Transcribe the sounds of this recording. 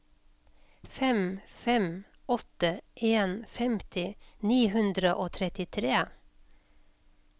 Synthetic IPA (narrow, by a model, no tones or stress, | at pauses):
fɛmfɛm | ɔt̪əʔeːnfɛmt̪ʰɪniːhʉnd̪ɾəʔoːt̪ʰɾɛt̪ɪt̪ʰɾeː